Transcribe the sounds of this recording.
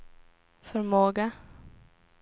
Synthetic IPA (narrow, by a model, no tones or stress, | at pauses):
fœɾmoːɡa